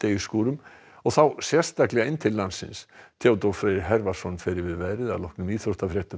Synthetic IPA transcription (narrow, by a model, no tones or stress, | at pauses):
t̪ejʏskuːɾʏm | ɔɣθawsjɛ̥st̪aklɛɣaɪnːt̪ʰɪlːansːɪ̰nst̪ʰjaːwt̪ɔfɾeɪɾɦɛɾvasɔnːfɛːɾɪvɪðvɛɾɪða̰ðlɔhknʏmiːθost̪afɾjɛːht̪ʏ